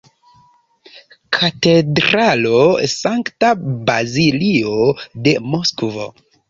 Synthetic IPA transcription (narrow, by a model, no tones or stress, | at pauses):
kʰate̞dɾalosaŋktabaziliode̞moskvo̰